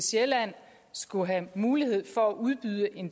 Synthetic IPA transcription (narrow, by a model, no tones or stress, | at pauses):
selæn̰ | sɡ̥uɦæmuːlihe̝ð̞̰ˠfɒ̽æʔuð̞ˠb̥yð̞ˠəʔe̝n